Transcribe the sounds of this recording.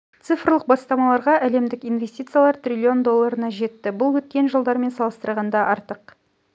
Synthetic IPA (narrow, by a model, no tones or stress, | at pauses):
t̪sɨfrlˠəq̚bɑst̪ɑmɑlˠɑɾʁɑʔæle̞md̪ɪkinvʲe̞st̪ʲit̪sɨjalˠɑɾt̪rʲilʲːio̞nd̪o̞lˠːɑɾənɑʒe̞t̪ːɪbʊlˠwɵt̪̚kʲe̞nʒəlˠd̪ɑɾme̞nsɑlˠəst̪əɾʁɑnd̪ɑʔɑɾt̪əq